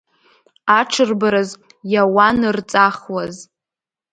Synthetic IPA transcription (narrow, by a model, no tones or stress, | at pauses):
aʈ͡ʂʰɨrbaɾɨz | jawanɨrt͡sʼaχwaz